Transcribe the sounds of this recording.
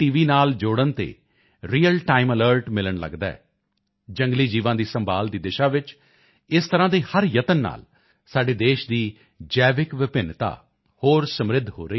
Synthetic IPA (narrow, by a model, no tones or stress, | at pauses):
ʈiːʋiːnaːld͡ʒoːɽənt̪ḛː | ɾiːəlʈaːimələːɾʈmɪləɳlə̰ɡd̪aɛ̰ː | d͡ʒə̃ŋɡliːd͡ʒiːʋãːd̪iːsəmbaːld̪iːd̪ɪʃaːʋɪt͡ʃ | ɪst̪əɾãːd̪iːhəɾjət̪ənːa̰ːl | saːɖeːd̪eːʃd̪iː | d͡ʒɛːʋɪkʋɪpɪnt̪a̰ː | hoːɾsəmɾɪd̪ʱɦo̰ːɾəiː